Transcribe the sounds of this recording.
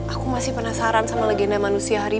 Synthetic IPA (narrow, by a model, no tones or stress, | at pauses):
ʔakumasɪhpənasaɾansamalaɡɛnamanusiaɦaɾi